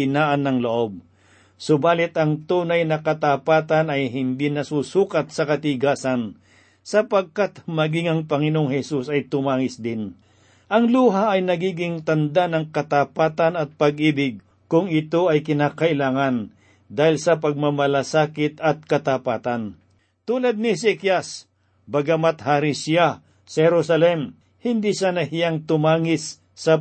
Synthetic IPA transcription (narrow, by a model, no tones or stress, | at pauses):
ɪnaːʔɐnːɐŋloʔo̞b̚ | sʊbaːlɪt̪ɐŋt̪uːnɐjnɐkɐt̪apaːt̪ɐnɐjɦɪnd̪inɐsusuːkɐt̪̚sɐkɐt̪ɪɡaːsɐn | sɐpɐɡ̚kat̪mɐɡɪŋɐŋpɐŋɪnooŋhɛsusɐjt̪ʊmaːŋɪsd̪ɪn | ʔɐŋluːɦaʔːjnɐɡiːɡɪŋt̪ɐnd̪anɐŋkɐt̪apaːt̪ɐnɐt̪̚pɐɡ̚ʔiːbɪɡ̚ | kʊŋɪt̪o̞ɐjkɪnakɐʔɪlaːŋɐn | d̪aːhɪlsɐpɐɡ̚mɐmɐlasaːkɪt̪ɐt̪̚kɐt̪apaːt̪an | t̪uːlad̪̚nɪsɛkjas | bɐɡamat̪haːɾɪsɪja | sɐhɛɾusɐlɛm | hɪnd̪isaːnɐhɪjaŋt̪ʊmaːŋɪsː | ɐ